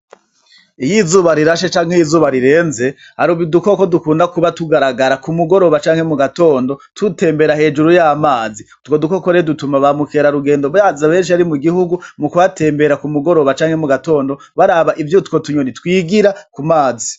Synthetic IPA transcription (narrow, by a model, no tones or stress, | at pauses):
ijizuːβaɾiɾaʃet͡ʃaːŋhejizuːβaɾiɾe̞ːnze̞ | haɾuβiduko̞ko̞dukuːndakuβatuɡaɾaɡaɾakumuɡo̞ɾo̞βat͡ʃaːŋhemuɡato̞ːndo̞tute̞ːmbe̞ɾahe̞ːd͡ʒuɾujaːmaːzi | tɡwoduko̞koɾedutumaβamukeɾaɾuɡe̞ːndoβjazaβe̞ːnʃiaɾimuɡihuɡumukuβate̞ːmbe̞ɾakumuɡo̞ɾo̞βat͡ʃaːŋ̥he̞muɡato̞ːndo̞ | βaɾaβaʔivjutwo̞tuɲonitkwiːɡiɾakumaːzi